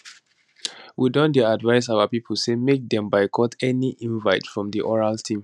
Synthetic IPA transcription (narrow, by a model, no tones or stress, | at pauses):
widɔ̃ndɛadvaɪs̬aʊapipʰəl̩semek̚dɛ̃mbaɪkʰɔtʰɛniʔĩnvaɪtfɹɔ̃mdiʔɔɹaltʰĩm